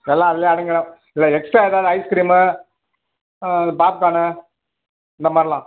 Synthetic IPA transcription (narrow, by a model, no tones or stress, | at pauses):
nɐlːãːɐðɪljeːɐɽɐŋɡɐɽɐ̃ | ɪlːɐɛksʈɾaːeːðaːðɯɐɪskɪɾiːm | ɐðɯpaːp̚kaːnɯ | ɪnd̪ɐmaːd̪ɾɪlãː